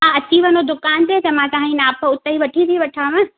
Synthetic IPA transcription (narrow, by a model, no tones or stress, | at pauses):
ɦãɐt͡ɕiːʋənod̪ʊkaːnt̪et̪ɐmãd͡ʑãːĩnaːpʊt̪əiʋɐʈʰit̪ʰiʋɐʈʰaːʋə̃